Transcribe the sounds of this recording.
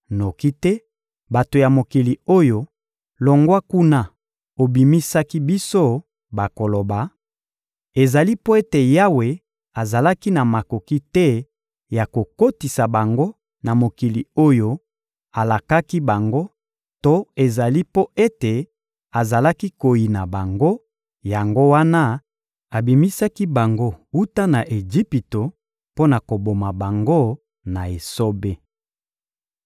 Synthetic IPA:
no˨ki˦tɛ˦ | ba˨to˨ja˨mo˨ki˨li˨o˦jo˦ | lo˨ŋɡwa˦ku˦na˨ | o˨bi˨mi˦sa˦ki˦bi˦so˦ | ba˨ko˨lo˨ba˨ | e˨za˨li˦po˦e˦te˨ja˦we˨ | a˨za˨la˦ki˦na˨ma˨ko˨ki˦tɛ˦ | ja˨ko˨ko˦ti˨sa˨ba˨ŋɡo˦ | na˨mo˨ki˨li˨o˦jo˦ | a˨la˨ka˦ki˦ba˨ŋɡo˦ | to˦e˨za˨li˦po˦e˦te˨ | a˨za˨la˦ki˦ko˨ji˨na˨ba˨ŋɡo˦ | ja˨ŋɡo˦wa˦na˦ | a˨bi˨mi˦sa˦ki˦ba˨ŋɡo˦u˦ta˦na˨ʔe˨ʒi˦pi˨to˨ | po˦na˨ko˨bo˨ma˨ba˨ŋɡo˦ | na˨e˨so˦be˦

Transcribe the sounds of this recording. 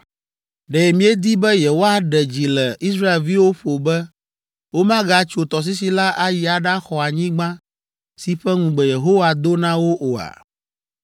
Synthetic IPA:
ɖɛ˨mĩ˦e˦d̪i˦bɛ˦je˨wo˦a˦ɖɛ˨d͡ʑi˨lɛ˨i˦sɾa˦e˨lvi˦wo˦ɸo˨bɛ˦ | wo˦mã˦ɡa˨˦t͡ʃo˨t̪ɔ˨s̬i˦si˨la˦ʔa˦ji˨a˨ɖa˦xɔ˨a˨ɲĩ˦ɡ͡bã˦ | si˨ɸɛ˦ŋũ˨ɡ͡bɛ˨je˨ɦo˦wa˨d̪o˦nã˦wo˦ʔo˨a̰˨

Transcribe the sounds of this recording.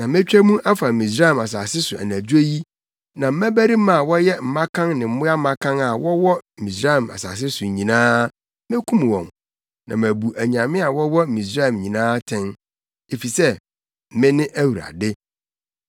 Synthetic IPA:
nã˨mɪ̃˦t͡ɕᶣæ˦mũ˦ʔa˦fa˨mĩ˨s̬ɾa˦ɛ˨ma˨s̬aː˨sɪ˦sʊ˨æ̰˨næ˨d͡ʑu˦e˦ji˦ | nã˨m̩˦mæ̃˦bæ˦ɾi˦mã˦˨wɔ˦jɛ˦m̩˨mã˦kʰã˦ŋnɪ̃˨m̩˦mʊ̃˦a˦m˦mã˦kʰã˦ŋa˨wɔ˦wɔ˦˨mĩ˨sɾa˦˨ma̰˨sa̰ː˨s̬ɪ˦sʊ˨ɲĩ˨nãː˦ | mɪ̃˦kʰũ˦m˨wɔ̰̃˨m | nã̰˨mæ̃˨bu˨ʔæ˨ɲ˨ã˨mɪ̃˦a˨wɔ˦wɔ˦˨mĩ˨sɾa˦˨mɲĩ˨nãː˦tʰɪ̃˦n | e˨fi˨sɛ˦ | mɪ̃˦nɪ̃˦ʔæ˦wu˨ɾa̰˨dɪ˦

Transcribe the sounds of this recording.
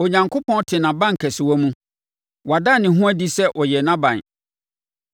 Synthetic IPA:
o˨ɲã˨ŋkʰo˦pʰɔ̃˦n˦tʰɪ˨nã˨bã˦˨ŋ̩˨kʰɛ˨sɪ˨wɔ˦mũ˦ | wa˨da˦˨nɪ̃˨ɦʊ̃˦æ˦di˦sɛ˦ʔɔ˨jɛ˨nã˦bã̰˨n

